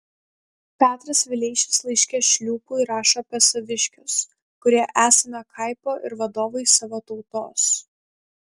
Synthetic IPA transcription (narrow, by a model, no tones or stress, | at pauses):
pʲæːt̪ɾɐsʋʲɪlʲɛɪʃʲɪslˠɐɪʃʲkʲɛːʃʲlʲuːpʊɪɾɑːʃɐpʲɛsɐʋʲɪʃʲkʲʊs | kʊɾʲiɛʔæːsʲɐnʲɐkʰɐɪpoːʔɪ̰ɾʋɐd̪oːʋɐɪsɑʋoːt̪ɒʊt̪oːs